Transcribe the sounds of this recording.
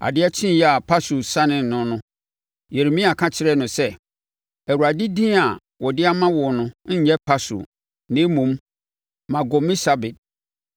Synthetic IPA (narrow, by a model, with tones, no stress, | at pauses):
a̰˨dɪ˦ɛ˦t͡ɕʰɪ̃˦n˨jɛ˦a˨pʰa˦su˨sã˦nɪ̃˨nʊ̃˨nʊ̃˦ | je˨ɾe˨mĩ˦a˨kʰã˦t͡ɕʰɪ˦ɾɛ˦nʊ̃˨sɛ˦ | ɛ˨wu˨ɾa˨di˦dĩ˦a˨ | wɔ˨dɪ˦a˦mã˦wɔ˨nʊ̃˦ɲ̩˦ɲɛ˦pʰa˦sṵ˨ | nẽ˨˦mũ˨m | mã˨ɡɔ˨mĩ˦sa˦be˨t̚